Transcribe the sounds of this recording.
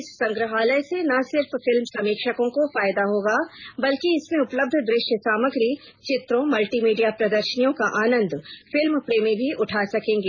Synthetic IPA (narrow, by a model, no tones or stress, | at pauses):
ɪsːɐ̃ŋɡɾəɦaːləjsenɐsɪɾffɪlmsɐmiːkʃəkõkofaːjd̪aɦoːɡaːbɐlkiɪsmẽʊpləb̚d̪ʱd̪ɾɪʃjəsaːməɡɾi | t͡ʃɪt̪ɾõmɐlʈiːmiːɖijapɾɐd̪əɾʃənijõkaʔaːnə̃nd̪ʱfɪlmpɾeːmibʱiʔʊʈʰaːsɐkẽːŋɡeː